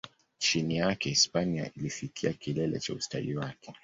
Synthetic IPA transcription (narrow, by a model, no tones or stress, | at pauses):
t͡ʃinijakɛispania̰ilifikʰiakilɛlɛ̰t͡ʃausta̰liwakɛ